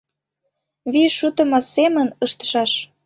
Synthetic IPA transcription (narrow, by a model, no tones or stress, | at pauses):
βiʃːut̪ə̆mɑsemənɤʃt̪ə̥ʃɑʃ